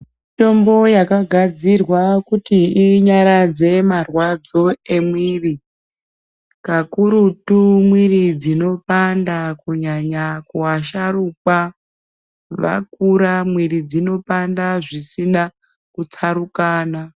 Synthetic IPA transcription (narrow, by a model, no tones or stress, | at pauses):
mito̞mbo̞jakaɡʱad͡zirwakutiːɲaɾad͡ze̞marwad͡zo̞e̞mwiːri | kakuɾutumwirid͡zino̞pandakuɲaɲakuaʃaɾuka | ʋa̰kuɾamwiɾid͡zino̞pandaʐisina | kut͡saɾukaːna